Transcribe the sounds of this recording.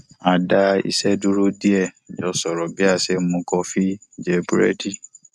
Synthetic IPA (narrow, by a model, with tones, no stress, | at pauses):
a˨da˧ḭ˦˧sɛ˦du˦ɾo˦di˦ɛ˦˨d͡ʒɔ˨˦sɔ˨ɾɔ˨bi˦a˦˨se˦mũ˧˦kɔ˧fi˦d͡ʒɛ˧bɾɛ̰˦di˦˨